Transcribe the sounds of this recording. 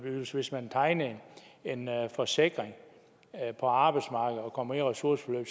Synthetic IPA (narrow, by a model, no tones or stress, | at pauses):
b̥yðˠsʋe̝smænt͡sʰɑ̈ɪnɐne̝nfɒ̽se̝ɡ̥ʁeŋ | pʰɒ̽ɑ̈ːb̥ɑ̈ɪd̥smɑ̈ːɡ̥əð̩ˠɒ̽kʰɒ̽mɐeʁɛsuɐsfɒløːb̥